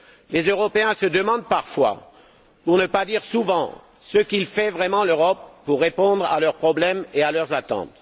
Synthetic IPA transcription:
lezøʁɔpeɛ̃səd̪əmɑ̃d̪̚paʁfwa̰ | puʁnəpad̪iʁsuvɑ̃ | səkilfɛvʁɛmɑ̃løʁɔpːuʁːepɔ̃d̪ʁa̰lœʁpχɔblɛmealœʁzat̪ɑ̰̃t̪

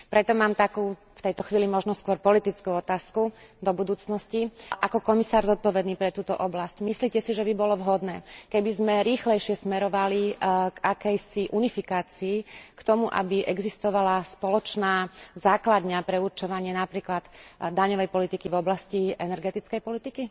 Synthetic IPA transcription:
pɾɛt̪ɔmaːmt̪akuː | ft̪ɛjt̪ɔxʋiːlimɔʒnɔskʊɔɾpɔlit̪it͡skuɔt̪aːskud̪ɔbud̪uːt͡snɔsciʔakɔkɔmisaːɾzɔt̪̚pɔʋɛd̪niːpɾɛt̪uːt̪ɔʔɔblascmisliːcɛsiʒɛbibɔlɔʋɦɔd̪nɛ̰ːkɛbizmɛɾiːxlɛjʃɪɛsmɛɾɔʋaliɡakɛjsiʔunifikaːt͡siːkt̪ɔmuʔa̰biʔɛɡzist̪ɔʋalaspɔlɔt͡ʃnaːzaːklad̪ɲapɾɛuɾt͡ʃɔʋaɲɪɛnapɾiːklad̪d̪aɲɔʋɛjpɔlit̪ikivɔblasciɛnɛɾɡɛt̪it͡skɛjpɔlit̪iki

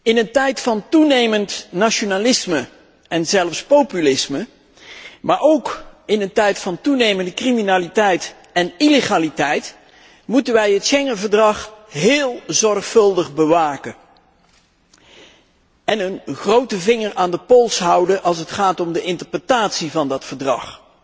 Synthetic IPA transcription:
ɪnəntɛjtfɑntunejməntnaʃonalɪsmə | ɛnzɛlˠfspowpylɪsmə | maːɹowkɪnəntɛjtfɑntunejməndəkriminaːlitɛjt | ɛnileχaːlitɛjt | mutənʋɛjɦətʃɛŋənvəɹdrɑχɦɪːlˠzɔrχfɵlˠdəχbəʋaːkə | ɛnənχrowtəvɪŋəɹʔaːndəpɔlˠsɦʌwdəʔɑlˠs̬ətχaːtɔmdəɪntəɹprətaːtsivɑndɑtfəɹdrɑ̰χ

